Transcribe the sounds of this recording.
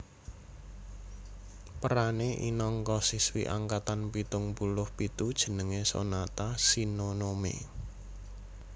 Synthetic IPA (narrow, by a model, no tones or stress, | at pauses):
pəɾaneʔḭnɔŋkɔsiswḭʔa̰ŋkat̪anpit̪ʊŋpulʊhpit̪ud̥ʒ̥ə̤nəŋeso̰nat̪asinonomḛ